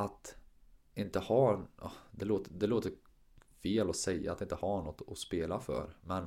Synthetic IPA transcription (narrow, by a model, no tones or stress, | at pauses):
at̪ | ɪnt̪əhɑnɑd̪ɛloːt̪əd̪ɛloːt̪əɾ | feːlɔsɛjːa̰at̪ːɪnt̪əhanɔt̪ːɔspeːlafœ̰ːɾmɛn